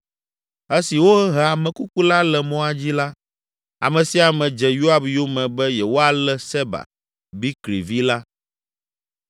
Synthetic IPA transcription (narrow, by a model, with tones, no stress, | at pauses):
ɛ˦si˨wo˦ɛ˦ɦɛ˨a˨mɛ̃˨ku˦ku˦la˦lɛ˨mɔ̃˦a˦d͡ʑi˦la˦ | a̰˨mɛ̃˨si˦a˨mɛ̃˨d͡ʒɛ˨ju˦a˦bjo˦mɛ̃˨bɛ˦jɛ˨wo˦a˨lɛ˦sɛ˦ba̰˨ | bi˦klḭ˨vi˦la˦